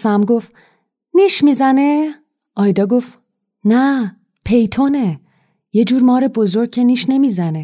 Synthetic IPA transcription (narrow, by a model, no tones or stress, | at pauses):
sæmɡo̞f | niʃmiːzæne | ɒːjd̪ɒːɡo̞f | næ | pʰe̞jt̪ʰo̞ne̞ | je̞d͡ʒuːɾmɒːɾe̞bo̞zo̞ɾɡ̚cʰeniːʃne̞mizæne̞